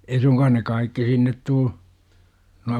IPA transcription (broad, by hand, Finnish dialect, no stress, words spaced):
ei suŋkɑːn ne kɑikːi sinːet tuː nuɑ